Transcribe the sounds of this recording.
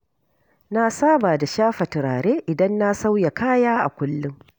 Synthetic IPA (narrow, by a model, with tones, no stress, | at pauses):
na˦saː˦baː˨da˨ʃaː˦ɸɐ˨tɪ˨ɾaː˨ɾeː˦ʔɪ˨dɐ˦nːa˦sa˦wja˨kaː˦jaː˦ʔa̰˨kʷʊ˦lːʊ˦ŋ